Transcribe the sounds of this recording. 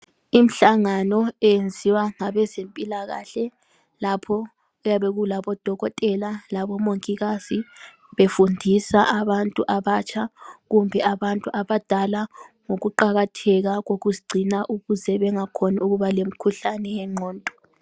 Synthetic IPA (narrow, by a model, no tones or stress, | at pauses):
im̩ɬaŋanɔɛjend͡zʱiwaŋaβɛzempʼilaɣa̰ːɬɛ | lapʰɔ | ujaβeɣulaβɔd̥ʱɔɣɔtʼɛlalaβɔmoŋkʼiɣazi | βefundʱisaʔaβantʼuʔaβat͡ʃʰʼaɣumbʱɛaβantʼuʔaβad̥ʱalaŋoɣuǃaɣatʰɛɣaɣoɣuziɡ͡ǀʱinaʔuɣuzɛβɛŋakʰɔnauɣuβalem̩kʰuɬanɛɛŋ͡ǃʱɔːntʼɔ̥